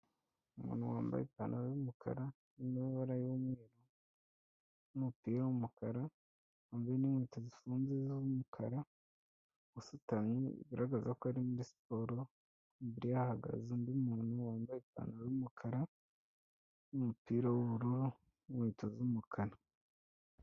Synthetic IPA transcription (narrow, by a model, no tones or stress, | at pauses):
umṵːnhuwaːmba̰ḭpanajumukʰa̰ɾa | nimiβaɾajomŋeːɾo | umuupiːɾawumukʰaɾa | aːmbaenimwiːtozifuːnzezumukʰaɾa | wusutamɲeḭβiɾaɡazakoaɾimuɾisi̥poɾo | mbiɾijahaɡa̰zindiumuːnhuwaːmbaipa̰naumukʰaɾa | umupiːɾawuβuɾuɾu | mwiːtozumukʰaɾa